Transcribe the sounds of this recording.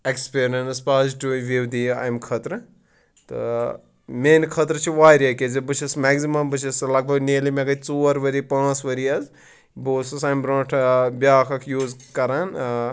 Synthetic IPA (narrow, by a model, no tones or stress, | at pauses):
ekspeːɾʲɐnspaːzʈuiʋiwd̪ia̰ːjmkʰɐt̪ɾɨ | t̪ɨ̰ | meːnkʰɐt̪ɾɐt͡ʃʰiʋaːɾʲjɐkezibɨt͡ʃʰismɛɡzimɐmbɨt͡ʃʰislɐɡ̚bɐɡneːlimeɡɐt͡soːɐɾʋɐɾipãːt͡sʋɐɾiɐz | boːsɐsaːjmbɾõːʈʰbʲjaːkʰɐkʰjuːzkɐɾaːn